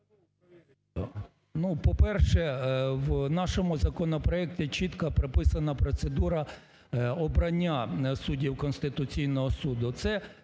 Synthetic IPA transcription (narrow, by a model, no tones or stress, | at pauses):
nupɔpɛrʃɛwnɑʃɔmʊzɐkɔnɔpɾɔɛk̚tʲit͡ʃit̪kɐpɾɪpɪsɐnɐpɾɔt̪sed̪uɾɐ | ɔbɾɐnʲːasudʲiwkɔnst̪ɪt̪ʊt͡sʲijnɔɦɔsud̪ʊt̪sɛ